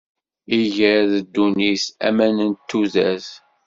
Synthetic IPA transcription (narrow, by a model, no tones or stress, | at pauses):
iʝəɾðəd̪ːunisæ̰mænənt̪ːuzæs